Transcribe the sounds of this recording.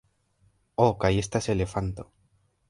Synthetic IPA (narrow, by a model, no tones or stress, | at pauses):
okajest̪aeselefant̪o